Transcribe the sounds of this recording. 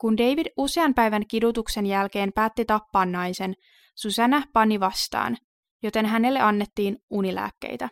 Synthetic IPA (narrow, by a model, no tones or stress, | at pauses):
kunde̞jʋiduse̞ɑnpæjʋænkidut̪ukse̞njælk̟e̞ːmpæːt̪ːit̪ɑpːɑːnːɑjse̞n | susænæpɑniʋɑst̪ɑ̰ːn | jo̞t̪e̞nɦæne̞lːe̞ʔɑnːe̞t̪ːiːnunilæ̰ːkːe̞̰jt̪æ